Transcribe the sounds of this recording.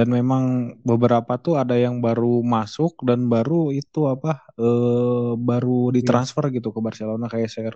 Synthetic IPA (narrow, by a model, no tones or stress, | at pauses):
danmemaŋbəbəɾapat̪uadajaŋbaɾumasʊk̚danbaɾuit̪uapaəːbaɾudit̪ɾansfərɡit̪ukabarsalanakajasaər